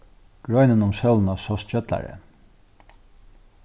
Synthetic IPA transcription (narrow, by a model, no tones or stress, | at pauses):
ɡ̥ɹɔjnənʊmsœln̩ɑsɔst͡ɕœt̪la̰ɹə̰